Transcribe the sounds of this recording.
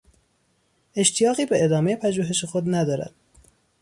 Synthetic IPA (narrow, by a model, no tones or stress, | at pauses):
e̞ʃt̪ʰijɒːɣiːbeed̪ɒːme̞jepʰæʒuːɦe̞ʃexod̪næd̪ɒːɾæ̰d̪̥